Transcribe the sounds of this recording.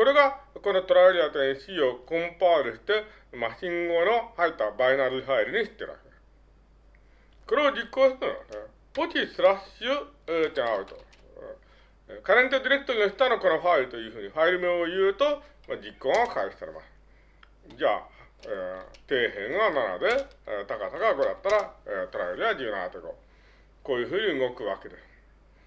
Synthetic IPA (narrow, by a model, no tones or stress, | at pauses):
ko̞ɾe̞ɡako̞no̞t̪o̞ɾaiɾʲiat̪oẽɕiokõ̞mpaɯɾɯ̟ɕi̥t̪e̞ | maɕĩŋɡo̞nohait̪ːabainaɾɯ̟ɸaiɾɯ̟ɲ̟iɕi̥t̪ːeɾɯ̰βa̰ke | ko̞ɾe̞od͡ʑikːoːɕi̥k̪ɯno̰ane | po̞t̪ʲisɨɾaɕɯt̪ẽaɯ̟t̪o̰ | kaɾẽɲit̪od̪iɾe̞kɯ̥t̪oɲʲioɕi̥t̪anoko̞noɸaiɾɯ̟t̪o̞jɯ̟ːɸɯ̟ːɲ̟iɸaiɾɯ̟meojɯːt̪o̞ | mad͡ʑikːõɰ̃akaiɕi̥saɾema̰sɨ̥ | d͡ʑaː | et̪e̞ːɦẽ̞ɰ̃βanana̰d̪e̞t̪akasaɡaɡo̞ɾat̪ːaɾaet̪oɾaeɾʲiβad͡ʑɯːnã̰nat̪eɡo | ko̞ːjɯ̟ːɸɯ̟ːɲ̟iɯ̟ŋo̞kɯ̟βa̰ke̞d̪e̞sɨ̥